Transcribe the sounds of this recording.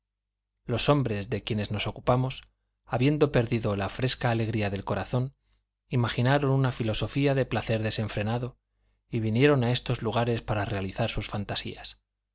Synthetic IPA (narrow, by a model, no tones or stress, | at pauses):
lo̞so̞mbɾe̞zðe̞kje̞ne̞zno̞so̞kupamo̞s | aβje̞nd̪o̞pe̞ɾðiðo̞lafɾe̞skaːle̞ɣ̞ɾiaðe̞lko̞ɾaθo̞n | imaχinaɾo̞nunafilo̞so̞fiaðe̞plaθe̞ɾðe̞se̞ɱfɾe̞naðo̞ | iβinje̞ɾo̞nae̞st̪o̞zluɣ̞aɾe̞spaɾare̞aliθaɾsusfant̪asḭas